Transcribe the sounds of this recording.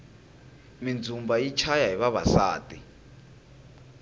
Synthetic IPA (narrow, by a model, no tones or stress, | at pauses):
mind͡zʱumbait͡ʃʰajaɦiβaβa̰sa̰ːtʼi